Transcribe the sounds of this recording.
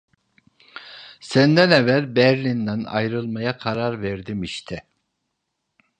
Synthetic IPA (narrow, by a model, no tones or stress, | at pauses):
sænd̪ænɛvæɾbɛɾlʲind̪æna̰jɾɯlˠmajakʰaɾaɾvɛɾd̪imiʃt̪ʰɛ